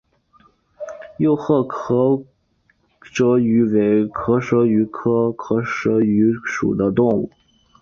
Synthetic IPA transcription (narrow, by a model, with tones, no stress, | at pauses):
jo˥˧ʊxɤ˥˩kʰɤ˧˥ | ʂɤ˧˥y˧˥we˧˥ɪkʰɤ˧˥ʂɤ˧˥y˧˥kʰɤ˥kʰɤ˧˥ʂɤ˧˥y˧˥ʂṵ˨˩d̪ə˦t̪ʊ˥˧ŋṵ˥˩